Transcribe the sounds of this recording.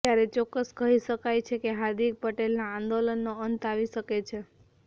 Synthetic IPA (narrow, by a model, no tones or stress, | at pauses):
jaɾet͡ʃɔkːəskəɦiʃəkajt͡ʃʰekeɦad̪ik̚pəʈelnaãnd̪olənːoənt̪aʋiʃəket͡ʃʰe